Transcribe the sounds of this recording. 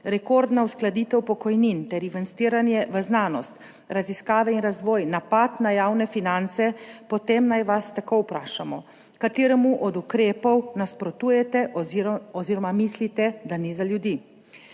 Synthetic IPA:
ɾɛkoɾd̪nausklad̪iːt̪ɛwpɔkɔjnint̪ɛɾiʋɛnst̪iːɾanjɛʋəznaːnɔst̪ | ɾaziskaːʋɛinɾazʋɔːjnapat̪najaːwnɛfinant̪sɛpɔt̪emnajʋast̪akɔwpɾaːʃamɔ | kat̪eːɾɛmuʔɔd̪ukɾeːpɔwnaspɾɔt̪uːjɛt̪ɛ | ɔziːɾɔmamiːslit̪ɛd̪anizaljud̪iː

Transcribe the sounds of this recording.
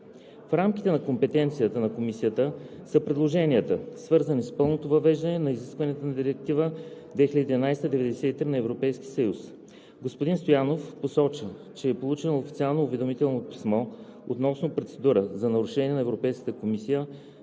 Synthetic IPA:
fɾamki̥t̪ɛnɐkompɛt̪ɛnt̪sijət̪ənɐkomisijət̪əsəpɾɛd̪lˠoʒɛniət̪əsvɤɾzənispɤlˠnot̪ovɐvɛʒd̪ɐnɛnɐiziskvɐnɛt̪onɐd̪iɾɛk̚t̪ivəd̪vɛxilʲəd̪id̪ʲinajst̪əd̪ɛvɛd̪ɛsɛit̪ɾinɐɛvɾopɛjsk̟ʲi̥səjus | ɡospʊd̪inst̪ojanofposɔt͡ʃət͡ʃɛːpolˠut͡ʃɛnoːfit̪sialˠnoːvɛd̪omit̪ɛlˠnopi̥smɔo̰t̪nɔsnopɾot̪sɛd̪uɾəzɐnɐɾʊʃɛnʲiɛnɐɛvɾopɛjskə̥t̪əkomisijə

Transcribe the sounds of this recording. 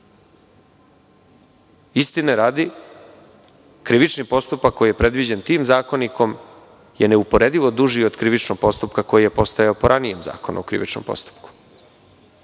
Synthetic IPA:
ist̪ineɾaːd̪i | kɾiʋit͡ʃnipo̞st̪upakːo̞jije̞pɾe̞d̪ʋid͡ʑent̪iːmzaːko̞nikʰo̞m | je̞neupo̞ɾe̞d̪iʋo̞d̪uʒiod̪kɾiʋit͡ʃnoɡ̥̚po̞st̪upkako̞jije̞po̞st̪ajeopo̞ɾʔanije̞mza̰ːko̞nṵokɾḭʋḭt͡ʃnompo̞̰st̪u̥p̚ku̥

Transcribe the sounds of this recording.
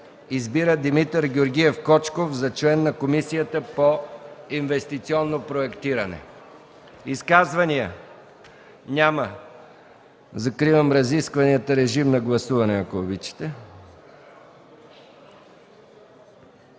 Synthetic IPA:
izbiɾəd̪imit̪əɾɡʲoɾɡʲiɛfkɔt͡ʃkofzɐt͡ʃlɛnːɐkomisijət̪əpoinvɛst̪it̪siɔnːopɾoɛkt̪iɾɐnɛ̰ | iskazvɐniə | nʲamə | zɐkɾivəmɾɐziskvɐniət̪əɾɛʒimnɐɡlˠɐsuvɐnɛɐkoːbit͡ʃi̥t̪ɛ

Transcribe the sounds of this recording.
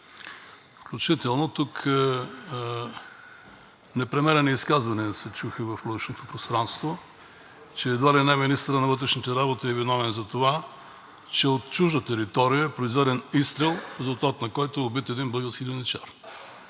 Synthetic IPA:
fklʲut͡ʃit̪ɛlˠnot̪uk | nɛpɾɛmɛɾɛniiskazvɐniəsɛt͡ʃuxəvɐfud̪ɛʃnot̪opɾost̪ɾanst̪vo | t͡ʃɛːd̪valinɛɛminist̪əɾənɐvɤt̪ɾɛʃnit̪ɛɾabot̪iɛvinɔvɛnzɐt̪ova | t͡ʃɛot̪t͡ʃuʒd̪ət̪ɛɾit̪ɔɾijəɛpɾoizvɛd̪ɛnist̪ɾɛlˠfɾɛzʊlˠt̪at̪nɐkɔjt̪oːbit̪ɛd̪inblˠəɡəlˠskʲid̪inɛt͡ʃaɾ

